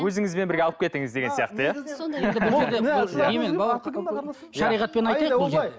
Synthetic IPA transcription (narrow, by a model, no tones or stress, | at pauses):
wɵzɪŋɪzbenbɪɾɡʲeɑlˠəp̚kʰe̞t̪ːɪŋɪzd̪e̞ɡʲe̞nsijɑqt̪əjaed̪ɪbɪeɾd̪ebʊlˠnemenbɑlˠɑ | ʃɑɾijʁɑt̪̚pe̞nɑj̪ɑjˠʒ